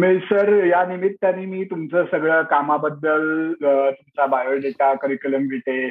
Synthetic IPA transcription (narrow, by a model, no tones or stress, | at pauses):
misəɾjanimit̪ːanːiːmiːt̪umt͡səsəɡɭəːkamabəd̪ːəlt̪umt͡sabajəɭd̪et̪akəɾikələmɡʱeʈ̪e